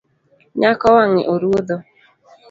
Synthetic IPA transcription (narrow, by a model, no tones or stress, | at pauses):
ɲakɔwaŋɪ̰ʔoɾuodo